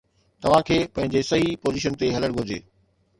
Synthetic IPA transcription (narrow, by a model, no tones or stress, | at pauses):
t̪ɐʋ̤ãkʰeːpɐ̃ɦɪ̃ɲd͡ʑesɐɦipoːziːʃ̬ənt̪eɦɐləɽ̃ɡʱʊd͡ʑeː